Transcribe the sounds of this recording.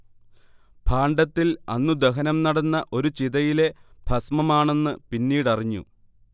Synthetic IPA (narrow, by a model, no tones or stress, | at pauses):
b̥ʰʱaːɳɖɐt̪ːilɐ̰nːud̪eɦɐnɐmnɐɽɐnːɐʔo̞ɾut͡ɕiðɐjile̞b̥ʱɐsmɐmaːɳe̞nːɨpinːiːɽɐriɲːṵ